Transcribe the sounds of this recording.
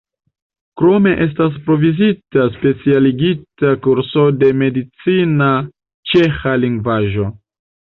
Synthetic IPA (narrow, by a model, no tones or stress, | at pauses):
kɾo̞me̞ʔe̞s̬tas̬pɾo̞vizitaspe̞t͡sialiɡitakuɾso̞de̞me̞dit͡sina | t͡ʃe̞xaliŋɡvaʒo̞